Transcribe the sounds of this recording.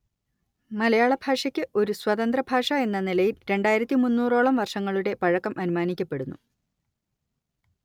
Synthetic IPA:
mɐlɐjaːɭɐbʱaːʂɐkʲːɨʔo̞ɾuswɐðɐnd̪rɐbʱaːʂɐe̞nːɐnilɐjilɾe̞ɳɖaːjiɾɐt̪ːimunːuːro̞ːɭɐmʋɐrʂɐŋːɐɭuɽe̞pɐɻɐkːɐmʔɐnumaːnikʲːɐpːe̞ɽunːu

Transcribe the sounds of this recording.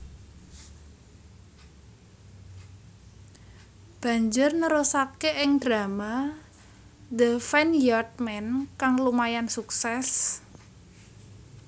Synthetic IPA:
b̥ä̤ɲd͡ʒʊrnəɾusat̪̚keʔɪŋd̪̥ɾama | d̪əfɛnjɔt̪̚mɛnkaŋlumajansuksɛs

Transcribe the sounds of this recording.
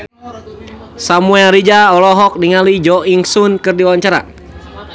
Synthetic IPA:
samuɛlɾid͡ʒaɔlɔɦɔk̚diŋalid͡ʒɔʔiŋsunkɨrdiwaɲt͡ʃaɾa̰

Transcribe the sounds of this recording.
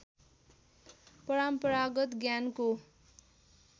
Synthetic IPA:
pʌɾampʌɾaɡʌt̪ɡjanko

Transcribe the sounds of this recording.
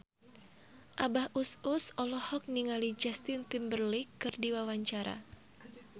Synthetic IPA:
ʔabahususɔlɔhɔk̚niŋalid͡ʒast̪ɪnt̪imbərlikːɨrdiwawaɲt͡ʃaɾa̰

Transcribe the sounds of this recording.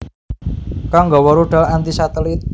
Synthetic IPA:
kaŋɡɔwɔɾuɖ̥a̤lant̪isat̪əlit̪̚

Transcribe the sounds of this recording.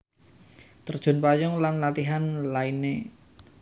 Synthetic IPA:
t̪ərd̥ʒ̥ʊ̤npajɔŋlanlat̪iɦanlaine

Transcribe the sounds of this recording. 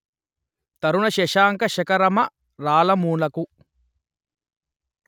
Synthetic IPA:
t̪ɐɾunɐʃɛʃaːŋkɐʃɐkɐɾɐmɐ | ɾaːlɐmuːnɐku

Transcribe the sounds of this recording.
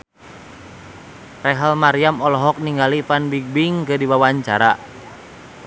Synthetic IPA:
rɛɦəlmaɾiamɔlɔɦɔk̚niŋɡalifanbiɡ̚biŋkədiwawaɲt͡ʃaɾa

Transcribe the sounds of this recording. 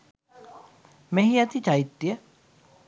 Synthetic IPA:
mẽɦiɐt̪it͡ʃait̪ːjə

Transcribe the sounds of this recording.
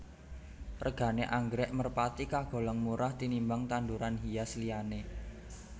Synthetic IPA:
rʔəɡ̥a̤neʔaŋɡɾɛʔmərpat̪ikaɡ̥o̤lɔŋmuɾaht̪inimbaŋt̪and̪uɾanɦijasliane

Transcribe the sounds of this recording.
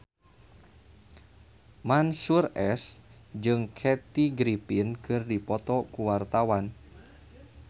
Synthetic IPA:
mansurɛsd͡ʒɨŋkʰɛt̪iɡɾipinkɨrdipɔt̪ɔkuwart̪awan

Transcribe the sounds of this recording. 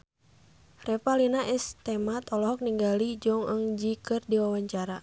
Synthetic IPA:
rɛpalinaʔɛst̪ɛmat̪ɔlɔɦɔk̚niŋɡalid͡ʒɔŋəŋd͡ʒikɨrdiwawaɲt͡ʃaɾa

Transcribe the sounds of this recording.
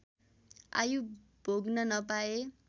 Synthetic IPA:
a̰ju | b̥ʱoɡnʌnʌpae

